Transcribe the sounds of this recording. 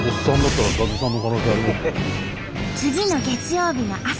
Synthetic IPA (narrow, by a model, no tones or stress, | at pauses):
ossãnd̪at̪ːaɾad̪aɡisãnːokanoːɕiaɾʲimasɨ̥e | t͡sɨɡʲinoɡe̞t͡sɨjo̞ːbʲinoʔa